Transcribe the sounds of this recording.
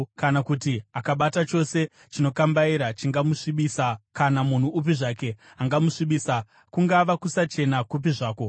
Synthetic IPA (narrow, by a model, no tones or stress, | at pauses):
kanakutiakaɓatat͡ʃo̞se̞ | t͡ʃino̞kambaiɾat͡ʃiŋɡamuʂiɓiːsakanamun̤uːp̬iʐaːke̞ | aŋɡamuʂiɓiːsa | kuŋɡaʋakusat͡ʃe̞nakup̬iʐaːko̞